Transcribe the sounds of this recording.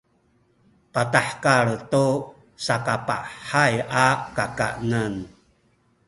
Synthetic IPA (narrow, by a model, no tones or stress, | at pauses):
pataħkaɭtu | sakapa̰ʔħajakaka̰ʔnən